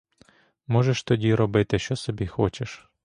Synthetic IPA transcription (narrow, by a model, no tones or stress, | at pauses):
mɔʒeʃt̪ɔdʲiɾɔbɪt̪ɪʃt͡ʃɔsɔbʲixɔt͡ʃeʃ